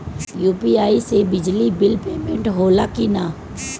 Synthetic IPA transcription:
juːpiːaːisebɪd͡ʒlibɪlpeːmẽɳʈɦoːlakinaː

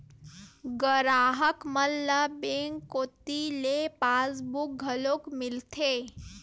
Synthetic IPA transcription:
ɡəɾaːɦəkməlːəbeŋkːoːt̪ilepaːsbʊk̚ɡʱəloːkmɪlt̪ʰeː

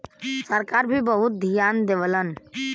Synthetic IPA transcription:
səɾkaːɾbʱibəɦʊt̪̚d̪ʱijaːnd̪eʋələn

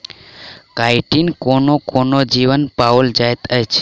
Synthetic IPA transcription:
kaiʈinkonokonod͡ʒiʋənpaold͡ʒajt̪ʰəjt͡ʃʰe̥

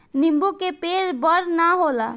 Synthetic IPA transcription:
nimbukepeɾbəɾnaɦola

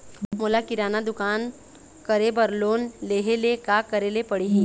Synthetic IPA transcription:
moːlakɪɾaːnad̪ʊkaːn | kəɾebəɾloːnleːɦelekaːkəɾeːlepəɽeɦĩː

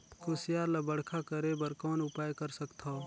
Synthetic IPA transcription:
kʰʊsɪjaːɾlɐbəɽ̤kʰakəɾebəɾkɔːnʊpaːjkəɾsəkt̪ʰaː

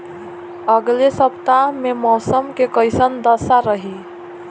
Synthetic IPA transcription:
əɡlesəpt̪amẽmɔːsəmkekəɪsənd̪əsaɾəɦiː

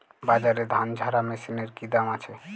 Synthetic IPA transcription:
bad͡ʑaɾed̪ʱand͡ʑʱaɾamesineɾkid̪amat͡ɕʰe

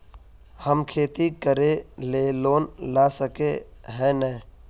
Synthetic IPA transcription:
həmkʰeːt̪ikəɾeleːloːnlaːsəkeɦɛːnɛː

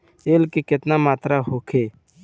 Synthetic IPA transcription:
eːlkekɪt̪naːmaːt̪ɾaːɦoːkʰeː

